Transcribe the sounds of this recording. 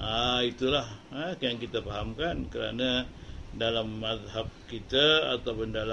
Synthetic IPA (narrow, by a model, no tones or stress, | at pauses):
ʔait̪ulahəjaŋkit̪afaɦamkankəɾa̰nadalamːat̪ɦap̚kit̪a̰ːt̪awpʊndala